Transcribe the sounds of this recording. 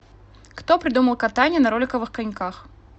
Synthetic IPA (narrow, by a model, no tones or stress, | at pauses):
kt̪opɾʲɪd̪uməlˠkɐt̪anʲɪjənɐɾolʲɪkəvɨxkɐnʲkax